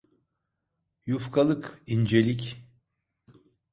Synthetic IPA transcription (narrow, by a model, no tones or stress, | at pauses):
jufkʰalˠɯkind͡ʒelʲic